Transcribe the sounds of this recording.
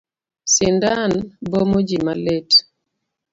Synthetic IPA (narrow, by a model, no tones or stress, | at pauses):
sɪndanbomod͡ʒimalet